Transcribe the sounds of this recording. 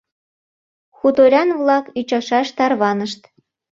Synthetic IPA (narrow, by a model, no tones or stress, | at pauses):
xut̪oɾʲɑnβlɑkyt͡ɕɑʃɑʃt̪ɑrβɑnəʃt̪